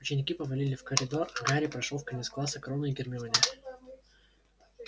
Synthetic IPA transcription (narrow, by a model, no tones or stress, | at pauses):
ʊt͡ɕɪnʲɪkʲipəvɐlʲilʲɪfkəɾʲɪd̪o̞rɐɡaɾʲɪpɾɐʂlˠofkɐnʲet̪sklˠasəkɾonəiɡʲɪrmʲɪonʲɪə